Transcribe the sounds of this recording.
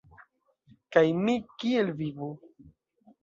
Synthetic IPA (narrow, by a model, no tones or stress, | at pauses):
kajmikielvivu